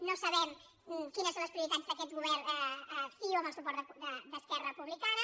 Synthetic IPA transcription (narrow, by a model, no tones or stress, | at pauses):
nosɐβɛm | kinəsõñləspɾiuɾit̪azd̪əkɛt̪ɣuβɛɾ | fioɐməlˠsupɔɾd̪əd̪əskɛrərəpuβlikanə